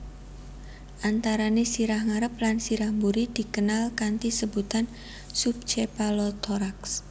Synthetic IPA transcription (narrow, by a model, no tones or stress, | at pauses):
ʔant̪aɾanesiɾahŋaɾəp̚lansiɾahmbuɾid̪̥i̤kənalkant̪isəbut̪an | sup̚t͡ʃepalɔt̪ʰɔɾaks